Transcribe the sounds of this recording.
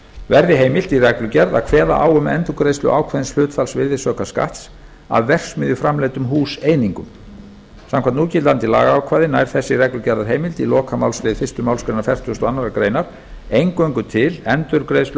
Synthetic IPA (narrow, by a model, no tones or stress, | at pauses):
vɛɾðɪɦeːjmɪlt̪irɛklʏcɛɾða̰kʰvɛːða̰ʔa̰ːwʏmɛ̰nt̪ukɾejst̪ʏ̰ʔa̰ːwkʰvaðɪnsl̥ʏːt̪falsvɪɾðɪsœːkaska̰ht̪s | a̰vːɛr̥smɪðʏfɾamlɛːt̪ʏmɦuːseːjniŋkʏm | sãmkʰvant̪uːcɪt̪lant̪ila̰ːɣaaːwkʰvaːðɪnajɾ̥θɛsːɪrɛklʏcɛɾðaɾɦeːjmɪlt̪ilɔːkʰamaːwlslɪːðfɪr̥st̪ʏmawlskɾejnaɾfjɛr̥t̪ʰust̪ɔanːaɾakɾeːjnaɾ̥ | ejŋkœɥŋkʏt̪ʰɪlɛnt̪ʏɾkɾejst̪l